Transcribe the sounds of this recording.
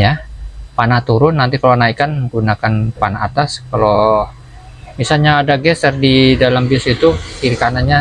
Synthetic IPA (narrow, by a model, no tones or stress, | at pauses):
japanaht̪uɾʊnːant̪ikalonaikanɡunakanpanaːt̪askalo | misalɲaːdaɡɛst̪ərdidalambisit̪ukiɾikanaɲa